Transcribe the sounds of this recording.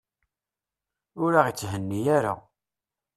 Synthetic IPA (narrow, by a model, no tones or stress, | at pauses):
ʊɾaʁit͡sːɦənːijaɾa̰